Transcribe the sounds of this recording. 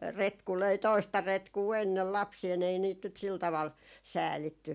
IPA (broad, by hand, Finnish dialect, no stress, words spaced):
retku løi toistɑ retkuː enːel lɑpsiːl ei niːt nyt sil tɑʋɑl sæːlitːy